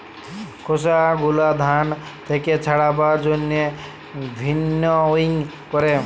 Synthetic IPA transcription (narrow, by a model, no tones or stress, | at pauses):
kʰos̬aɡulad̪ʱant̪ʰeket͡sʰaɽabad͡zonːe | bʱinːʌoiŋ | kɔɾe